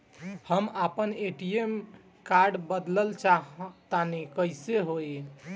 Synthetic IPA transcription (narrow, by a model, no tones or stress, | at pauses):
həmapəneʈiem | kaɾɖbəd̪ləlt͡ʃaɦt̪anekəjseɦoe